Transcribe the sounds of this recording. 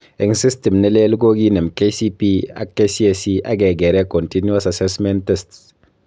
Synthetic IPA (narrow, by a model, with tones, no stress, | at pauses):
ɛ˨ŋsi˦sti˨mnɛ˦le˦lɡo˦ɡi˦nɛ˨mke˦si˦pi˦a̰˨˦kːe˦si˦e˨si˦ʔa˦ɡɛ˨ɡɛ˨ɾɛ˦ko˨nti˦nu˦a˦sa˨sɛ˦smɛ˦ntɛ˦sts